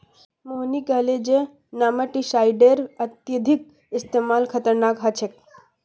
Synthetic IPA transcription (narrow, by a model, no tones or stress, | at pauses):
monikaled͡ʒe | naːməʈisajɖeɾɐt̪jɐd̪ʱik̚ | ɪst̪emaːlkʰət̪əɾnaːkɦat͡ʃʰek̚